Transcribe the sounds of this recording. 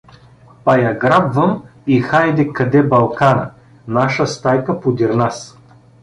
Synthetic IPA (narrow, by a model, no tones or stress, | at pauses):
pɐjaɡɾabvɐmixajd̪ɛkɐd̪ɛbɐlˠkanə | naʃəst̪ajkɐpod̪iɾnas